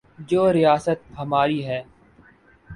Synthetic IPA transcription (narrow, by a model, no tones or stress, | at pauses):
d͡ʒoːɾɪjaːsət̪̚həmaːɾiːɦɛː